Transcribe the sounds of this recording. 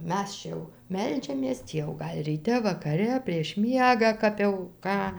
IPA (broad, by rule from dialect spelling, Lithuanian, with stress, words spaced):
ˈmʲɛs t͡ʃʲɛ jɛʊ ˈmʲɛlʲd͡ʒʲɛmʲeːs ˈtʲiː jɛʊ ˈɡɐlʲ rʲiːˈtʲɛ ʋɐkɐˈrʲɛ pʲrʲiɛʃ ˈmʲiɛɡɑː ˈkɐp jɛʊ ˈkɑː